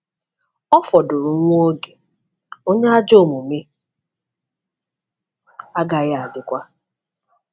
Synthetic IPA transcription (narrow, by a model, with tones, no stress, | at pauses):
ɔ˦fɔ˨do˨ɾu˨ŋʷ˦o˦ɡe˨ | o˦ɲe˦a˦d͡ʒo˦˨mu˨me˦ | a˦ɡa˨ɣɪ˦a˨dɪ˨kʷa˦